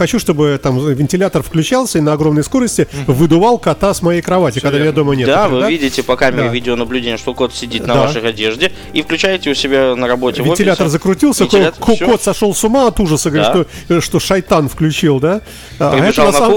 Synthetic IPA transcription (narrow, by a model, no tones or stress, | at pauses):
xɐt͡ɕuʂt̪obɨt̪amvʲɪnʲtʲɪlʲat̪ərfklʲʉt͡ɕalˠsʲəinəɐɡɾo̞mnəjsko̞ɾəsʲtʲɪvɨd̪ʊvalˠkɐt̪asmɐjejkɾɐvatʲɪkɐɡd̪amʲɪnjad̪omənʲed̪avɨd̪avʲidʲɪtʲɪpɐkamʲɪɾʲɪvʲidʲɪonəblʲʉdʲenʲɪjəʂt̪oko̞t̪sʲɪdʲit̪nɐd̪avaʂɨxɐdʲeʐdʲɪ | ifklʲʉt͡ɕæjɪtʲɪʊsʲɪbʲanəɾɐbo̞tvʲɪvʲɪotʲɪlʲat̪ərzəkɾʊtʲilˠsʲəkoko̞t̪sɐʂo̞lˠsʊmaɐt̪uʐəsəɡəɾʲiʃt̪o | ʂt̪oʂɐjt̪anfklʲʉt͡ɕilˠd̪a | aɾɪɛtʐəaa